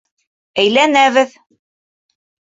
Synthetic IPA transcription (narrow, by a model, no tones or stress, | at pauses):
æjlænæβɘð